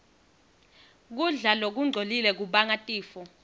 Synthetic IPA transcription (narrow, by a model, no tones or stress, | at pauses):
k̬uɮalok̬uŋ͡ǀʱolilɛk̬uɓaŋatʼiːfɔ